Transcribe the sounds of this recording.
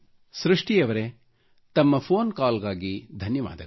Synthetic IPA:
sɾuʂʈijɐʋɐɾe | t̪ɐmːɐpʰoːnkaːlɡaːɡid̪ʱɐnjɐʋa̰ːd̪ɐ

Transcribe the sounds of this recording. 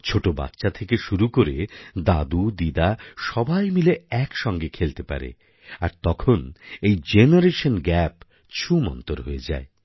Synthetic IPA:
t͡ɕʰoʈoba̰t̪ːɕat̪ʰekeʃuɾukoɾed̪ad̪ud̪id̪aʃɔbʱajmileɛkʃɔŋɡekʰelt̪epa̰ɾḛ | a̰ɾt̪ɔkʰonejd͡ʑenaɾeʃonɡɛp | t͡ɕʰumɔ̰nt̪oɾɦoed͡ʑa̰e

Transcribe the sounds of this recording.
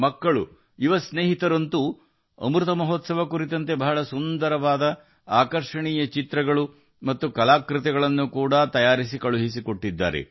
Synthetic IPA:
mɐkːɐɭu | iʋɐsneːɦit̪ɐɾɐnt̪u | ɐ̰mɾut̪ɐmɐɦoːt̪sɐʋɐkuɾit̪ɐnt̪̬e̞bɐɦɐɭɐsund̪ɐɾɐʋaːd̪ɐ | aːkɐɾʂɐɳijɐt͡ʃit̪ɾɐɡɐɭu | mɐt̪ːukɐlaːkɾɪt̪ɛɡɐɭɐnːukuːɽɐt̪ɐjaːɾisikɐɭuɦisikoʈːid̪ːa̰ːɾḛ

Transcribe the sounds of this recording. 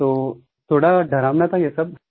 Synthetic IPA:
t̪o | t̪ʰoɽaɖʱəɾamnat̪ajesəb̚

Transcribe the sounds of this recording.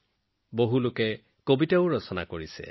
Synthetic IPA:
boɦulʊkɛ | kobitaʊɹɔsɔna̰koɹisɛ̰

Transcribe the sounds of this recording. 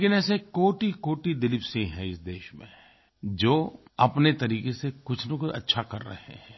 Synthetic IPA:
leːkɪnɛːsekoːʈikoːʈid̪ɪlɪpsĩɦɛ̃ɪsd̪eːʃmḛ̃ | d͡ʒoːɐpnet̪ɐɾiːkesekʊt͡ʃʰnõkʔɐ̰tːʃʰakɐɾːɐ̰ɦhḛɦɛ̃ː

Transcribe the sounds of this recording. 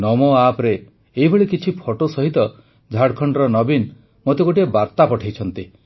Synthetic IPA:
nɔmɔapɾeː | ɦibʱeɭikit͡ʃʰipʰoʈosɔɦit̪ɔ | d͡ʒʱaɽkʰɔɳɖɔɾɔnɔbin | mot̪eɡoʈiebaɾt̪apɔʈʰejt͡ʃʰɔnt̪i

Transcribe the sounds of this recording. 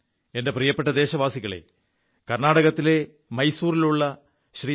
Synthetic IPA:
e̞nde̞prijɐpːeʈːɐd̪e̞ːɕɐʋaːsiɣɐɭḛ | kɐrnaːɽɐɣɐt̪ːile̞ | mɐjsuːɾiluɭːɐ | ɕriː

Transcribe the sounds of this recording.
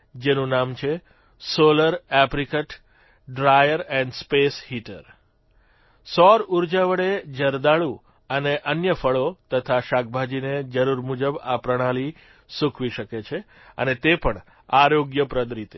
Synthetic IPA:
d͡ʒenũnamt͡ʃʰe | soləɾɛpɾikəʈ | ɖɾajəɾɛ̃ɳɖspeshiʈəɾ | sɔɾuɾd͡ʒaʋəɽed͡ʒəɾd̪aɭu | əneʔənjəfəɭot̪ət̪ʰaʃak̚ʰbʱad͡ʒined͡ʒəɾuɾmud͡ʒəbapɾəɽ̃ali | sũkʰʋiʃəket͡ʃʰe | ə̰net̪epəɳ | aɾoɡjəpɾəd̪ɾit̪e

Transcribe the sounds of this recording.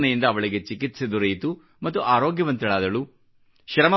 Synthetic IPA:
nɐjind̪ɐːʋɐɭiɡet͡ʃikit̪sɐd̪uɾɐjt̪u | mɐt̪ːuʔaːɾoːɡjɐʋɐnt̪ɐɭaːd̪ɐɭu | ʃɾɐmɐ

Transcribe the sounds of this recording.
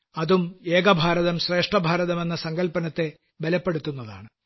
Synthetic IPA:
ɐðume̞ːɡɐbʱaːɾɐðɐmɕre̞ːʂʈrɐbʱaːɾɐðɐme̞nːɐsɐŋɡɐlpɐnɐt̪ːe̞ | belɐpːe̞ɽut̪ːunːɐða̰ːɳɨ

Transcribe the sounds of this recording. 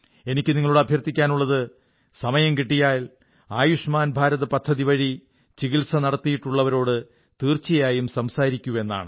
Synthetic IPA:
e̞nikʲːɨniŋːɐɭuɽeɐbʱjɐrt̪ːikʲːaːnuɭːɐðɨ | sɐmɐjɐmkiʈːijaːl | aːjuʂmaːnbʱaːɾɐðɐpɐd̪ʱːɐðiʋɐɻi | t͡ɕiɣilsɐnɐɽɐt̪ːijiʈːuɭːɐʋɐɾo̞ːɽɨ | t̪iːrt͡ɕːijɐjaːjumsɐmsaːɾikʲːuʋe̞nːa̰ːɳɨ

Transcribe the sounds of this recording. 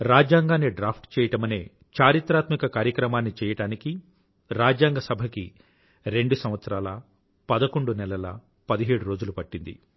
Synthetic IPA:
ɾaːd͡ʒjaːŋɡaːnːiɖɾaːpʰʈt͡ʃɛːjɐʈɐmɐneː | t͡ʃaːɾit̪ɾaːt̪mikɐkaːɾjɐkɾɐmaːnːit͡ʃɛːjɐʈaːniki | ɾaːd͡ʒjaːŋɡɐsɐbʱɐki | ɾe̞ɳɖusɐmʋɐt̪sɐɾaːlɐ̰ | pɐd̪ɐko̞ɳɖunɛlɐlɐ̰ | pɐd̪iɦeːɽuɾo̞ːd͡ʒulupɐʈːind̪ḭ

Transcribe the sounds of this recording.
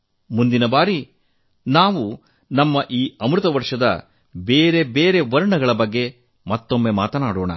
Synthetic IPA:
mund̪inɐbaːɾi | naːʋu | nɐmːɐʔiːɐmɾut̪ɐʋɐɾʂɐd̪ɐ̰ | beːɾe̞beːɾe̞ʋɐɾɳɐɡɐɭɐbɐɡːe̞ | mɐt̪ːo̞mːemaːt̪ɐnaːɽoːɳɐ̰

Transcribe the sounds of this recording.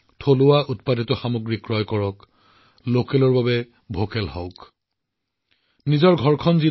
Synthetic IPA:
tʰolʊwaʔutpaditɔxamoɡɹikɹɔjkɔɹɔk | lokɛlɔɹbabɛ | bʱokɛlɦɔʊk | nizɔɹɡʱɔɹkʰɔnzi

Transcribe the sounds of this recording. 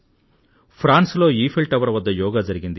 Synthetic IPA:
pʰɾaːnslo̞ːiːpʰelʈɐʋɐɾɐʋɐd̪ːɐjɔːɡaːd͡ʒɐɾiɡind̪i

